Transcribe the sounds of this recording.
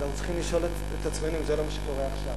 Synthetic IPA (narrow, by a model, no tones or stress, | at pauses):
naχut͡si̥χimliʃo̞let | et̪at͡sme̞nuimzelo̞maʃe̥ko̞ʁeaχʃav